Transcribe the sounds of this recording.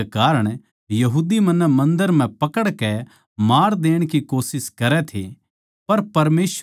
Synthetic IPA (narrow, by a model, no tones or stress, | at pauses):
kaːɾəɽ̃ | jɐɦuːd̪imɐ̃nːəmɐ̃nd̪əɾm̤ɛ̃pɐkəɽkɛ | maːɾd̪eːɽ̃kikoːsɪskɐɾɛt̪ʰḛ | pɐɾpɐɾmeːs